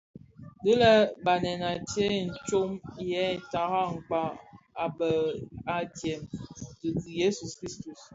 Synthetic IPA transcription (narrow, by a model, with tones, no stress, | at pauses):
də˦lɛ˦ba˨nɛ˨na˨te˦n̩˨t͡ʃo˦m˨jɛ˦˨ta˨ɣa˦ŋ̩˨k͡pa˦a˨bə˨a˦tjɛ˨mtə˨ɡi˨je˦su˨skɾi˦stu˨s